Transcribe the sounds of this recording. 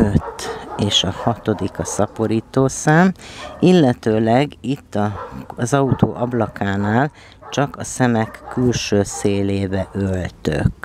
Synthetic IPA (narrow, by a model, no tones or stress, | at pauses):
øt̪ːeːʃɒhɒt̪o̞d̪ikɒsɒpo̞ɾiːt̪oːsaːmilːɛt̪øːlɛɡit̪ːɒzɒut̪o̰ːʔɒblɒkaːnaːl | t͡ʃɒkɒsɛmɛkːylʃøːseːleːbɛʔølt̪ø̰k